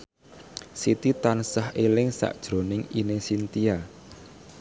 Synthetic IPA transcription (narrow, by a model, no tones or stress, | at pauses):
sit̪it̪ansahelɪŋsa̰ʔd̥ʒ̥ɾo̤nɪŋinesint̪ia